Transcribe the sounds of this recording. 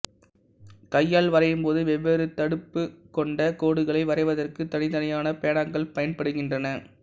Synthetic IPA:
kɐjːaːlʋɐɾɐjɯmpoːðɯʋɛʋːeːɾɯt̪ːɐɽɯpːɯkɔɳɖɐkoːɽɯɣɐɭɐɪʋɐɾɐɪʋɐðɐrkɯt̪ːɐnɪðɐnɐjaːnɐpeːɳaːŋɡɐɭpɐjɐnpɐɽɯɣɪndrɐnɐ

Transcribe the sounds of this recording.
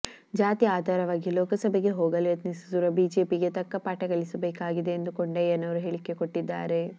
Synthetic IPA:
d͡ʒaːt̪iaːd̪ʱaːɾɐʋaːɡiloːkɐsɐbeɡeɦoːɡɐleɐt̪nisusuɾɐbiːd͡ʒe̞ːpiɡe̞t̪ɐkːɐpaːʈɐɡɐɭisɐbeːkaːɡid̪e̞ːnd̪ukoɳɖeeːnɐʋɐɾuɦeːɭikːe̞koʈːid̪ːa̰ːɾe̞

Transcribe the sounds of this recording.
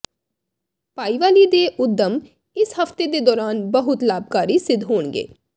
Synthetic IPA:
paːiʋaːliːd̪eːʔʊd̪ʱːəm | ɪshəft̪eːd̪eːd̪ɔːɾaːnbəɦʊt̪laːb̚kaːɾiːsɪd̪ʱɦoːɳɡḛː

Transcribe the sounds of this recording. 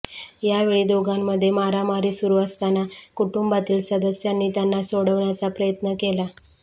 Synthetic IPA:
jaʋeɭiːd̪oɡamːəd̪ʱːjemaɾamaɾiːsuɾuːəst̪anakuʈumbat̪iːlsəd̪əsjanːiːt̪janːasoɽəʋɳjat͡sapɾəjət̪nəkela

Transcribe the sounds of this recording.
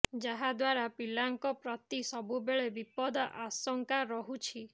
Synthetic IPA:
d͡ʒaɦad̪waɾapilaŋkɔpɾɔt̪isɔbubeɭebipɔd̪ɔʔasɔŋkaɾɔɦut͡ʃʰi

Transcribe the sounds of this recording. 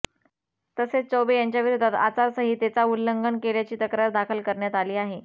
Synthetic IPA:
t̪əset͡st͡sobejaɲt͡ɕjaʋiɾod̪ʱat̪a̰t͡saɾsəɦiːt̪et͡saulːəŋɡənkeljat͡ɕiːt̪əkɾəɾd̪akʰəlkəɾɳjat̪aliːaɦe

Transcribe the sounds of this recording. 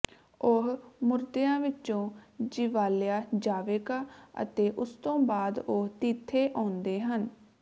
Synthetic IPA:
ʊɦmʊɾd̪ejãːʋɪt͡ʃõːd͡ʒɪʋaːljaːd͡ʒaːʋeːkaːə̰t̪eːʔʊst̪õːbaːd̪oɦt̪iːt̪ʰːeːʔãːnd̪eːɦən

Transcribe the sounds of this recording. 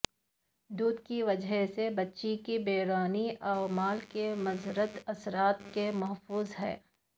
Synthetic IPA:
d̪uːd̪kiʋɐd͡ʒsebɐtːʃikibeːɾaːniʔaːʋmaːlkemɐzɾət̪ɐsɾaːt̪kemɐɦfuːzɦɛ̰ː

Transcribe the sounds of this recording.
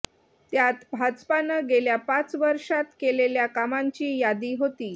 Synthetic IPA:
t̪jat̪bʱad͡zpanəɡeljapãt͡sʋəɾʂat̪keleljakamaɲt͡ɕiːjad̪iːɦot̪iː

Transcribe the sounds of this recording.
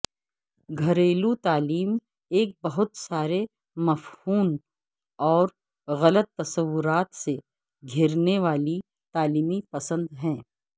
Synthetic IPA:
ɡʱɐɾeːlut̪aːliːm | eːk̚bɐɦʊt̪saːɾe | mɐfhuːn | ɔːɾ | ɣɐlət̪ːɐsəʋːʊɾaːt̪se | ɡʱɪɾneʋaːli | t̪aːliːmipɐsə̃nd̪ɦɛ̃ː

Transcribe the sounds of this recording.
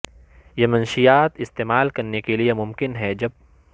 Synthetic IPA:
jemɐnʃijaːt̪ɪst̪eːmaːlkɐɾnekeliemʊmkɪnɦɛd͡ʒɐb̚

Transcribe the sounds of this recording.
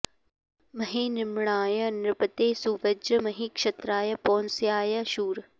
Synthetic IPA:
mɐɦiːnɪmɽaːjɐnɪɾbət̪eːsuʋəd͡ʒmɐɦiːkʃɐt̪ɾaːjɐpoːnsijaːjɐʃuːɾ

